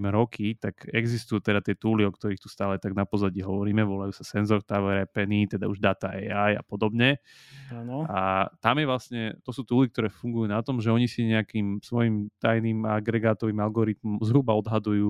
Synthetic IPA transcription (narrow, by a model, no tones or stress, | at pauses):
mɾɔkʰit̪aɡɛɡzist̪ujut̪ɛd̪at̪ɪɛt̪uːliɔkt̪ɔɾiːxt̪u̥st̪aːlɛt̪aɡnapɔzaɟiɦɔʋɔɾiːmɛʋɔlajuːsasɛnzɔɾt̪aʋɛɾɛpɛniːt̪ɛd̪auʒd̪aːt̪aɛaja̰pɔd̪ɔbɲɛ | anat̪amjɛʋlasɲɛt̪ɔsuːt̪uːlik̚t̪ɔɾɛːfuŋɡujuːnat̪ɔmʒɛɔɲisiɲɛakiːmsʋɔjimt̪ajniːmaaɡɾɛɡaːt̪ɔʋiːmalɡɔɾit̪mɔmmzɦɾubaɔd̪ɦad̪ujuː